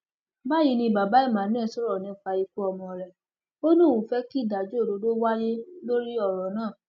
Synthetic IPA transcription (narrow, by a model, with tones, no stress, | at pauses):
ba˦˨ji˨˧˦nĩ˧ba˨ba˨˦i˦˨mã˨˦nɛ̃˦˨sɔ˦ɾɔ˦˨nĩ˧˦fa˧i˧ku˦ɔ˧mɔ̃˧˨ɾɛ˨ | o˦nũ˦˨wũ˨fɛ˦ki˦˨da˨d͡ʒo˦˨o˨˦do˦wa˦je˦lo˦ɾi˦ɔ˦˨ɾɔ˨˦nãː˦˨